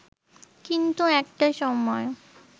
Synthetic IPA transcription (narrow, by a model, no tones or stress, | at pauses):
kint̪uɛk̚ʈaʃɔmɔe